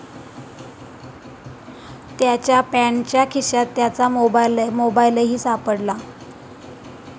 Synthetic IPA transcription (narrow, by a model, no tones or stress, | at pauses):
t̪jat͡ɕjapæɳt͡ɕjakʰiɕat̪ːjat͡samoblmobajləɦiːsapəɽla